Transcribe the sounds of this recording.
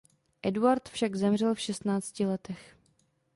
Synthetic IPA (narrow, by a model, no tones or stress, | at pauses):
ʔɛduaɾt̪fʃaɡzɛmr̝ɛlfʃɛst̪naːt͡scɪlɛt̪ɛx